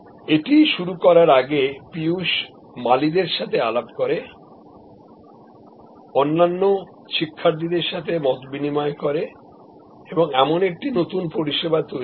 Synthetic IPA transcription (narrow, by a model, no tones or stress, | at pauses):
eʈiʃuɾukɔɾaɾaɡepiuʃ | malid̪eɾʃat̪ʰealabkoɾe | onːanːo | ʃikʰːaɾd̪id̪eɾʃat̪ʰemɔt̪binimaekoɾe | eboŋɛmonek̚ʈinot̪unpoɾiʃebat̪o